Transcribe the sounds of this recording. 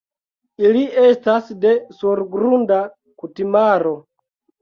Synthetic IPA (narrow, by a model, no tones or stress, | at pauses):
iliestasde̞suɾɡɾunda | kutimaɾo̞